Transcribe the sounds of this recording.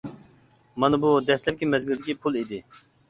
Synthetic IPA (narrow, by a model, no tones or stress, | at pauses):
mɑnɨbud̪ɛslɛp̚kʲimɛzɡʲɪld̪ɪkʲipʰulˠid̪ɪ